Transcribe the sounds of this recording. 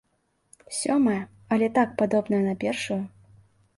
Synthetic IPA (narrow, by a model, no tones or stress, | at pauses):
sʲɔmɐjɛ | ɐlʲɛt̪ak̚pad̪ɔbn̪ɐjɛnɐpʲɛrʂuju